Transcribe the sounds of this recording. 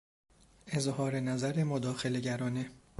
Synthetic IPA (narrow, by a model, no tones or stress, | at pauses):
ezhɒːɾenæzæɾemod̪ɒːxe̞le̞ɟæɾɒːne